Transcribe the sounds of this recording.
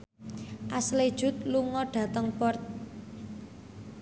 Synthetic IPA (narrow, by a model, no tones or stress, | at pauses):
ʔasled̥ʒ̥ṳt̪̚luŋɔɖ̥ä̤t̪əŋpɔrt̪̚